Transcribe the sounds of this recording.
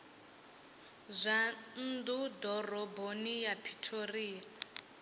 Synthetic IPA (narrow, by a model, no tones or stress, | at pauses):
zʷan̩dudɔrɔbonijapʰi̥tʰoriːa